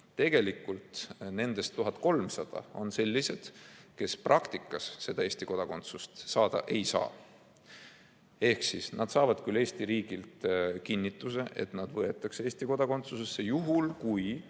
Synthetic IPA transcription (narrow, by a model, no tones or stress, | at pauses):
t̪e̞ɡ̥e̞likːˑult̪ne̞nd̪̥e̞st̪ːuɦɑt̪ˑko̞lmsɑd̪̥ɑ̰o̞nse̞lʲːise̞d̪̥ke̞sprʔɑkt̪ikːˑɑsːe̞d̪ɑe̞ːsʲt̪iko̞d̪̥ɑko̞nt̪sust̪sɑːd̪̥ɑ̰ʔe̞jsɑ̰ː | e̞hksisnɑd̪̥sɑːvɑd̪̥kyle̞ːsʲt̪iɾiːɡ̥ilt̪kinʲːit̪ːˑuse̞̰ʔe̞̰t̪nɑd̪̥vɤe̞t̪ːˑɑkseːst̪iko̞d̪̥ɑko̞nt̪suse̞sːe̞juɦulkuj